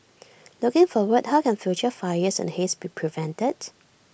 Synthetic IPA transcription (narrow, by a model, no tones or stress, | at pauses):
lʊkɪ̃ŋfɔwəd̚haʊkɛ̃nfjut͡ʃəfaəsɛ̰̃nhesbipʰɹivɛ̃ntəd̥